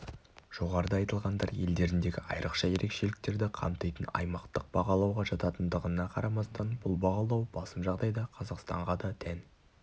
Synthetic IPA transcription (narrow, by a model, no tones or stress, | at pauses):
ʒ̥o̞ʁɑɾəd̪əɑjt̪əlˠʁɑnd̪ɑɾje̞ld̪e̞ɾɪnd̪e̞ɡʲɪɑ̰jɾʔəqʃɑje̞ɾe̞kʃe̞lɪk̚t̪e̞ɾd̪ɪqʰɑ̰mt̪əjt̪ənɑ̰jmɑqt̪əq̚b̥ɑʁɑlˠɑwʁɑʒɑt̪ɑt̪ənd̪əʁənɑqʰɑɾɑmɑst̪ɑnbʊlˠbɑʁɑlˠɑwb̥ɑsəmʒɑʁd̪ɑjd̪ɑqʰɑzɑqst̪ɑ̰ɴʁɑd̪ɑt̪ʰæn